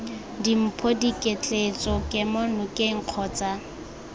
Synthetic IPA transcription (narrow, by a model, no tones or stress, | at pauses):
dim̩pʰodikʼet͡ɬʼet͡sʼɔkʼɪmɔnʊkʼeŋ̩q͡χʰɔːt͡sʼa